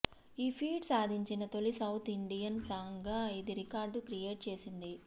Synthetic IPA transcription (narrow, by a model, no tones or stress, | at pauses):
iːpʰiːɖsaːd̪ʱiɲt͡ʃinɐt̪olisɐwt̪ʰiɳɖijɐnsaːŋɡaːɐjd̪iɾikaːɾɖkɾije̞ːʈ̚t͡ʃe̞ːsind̪i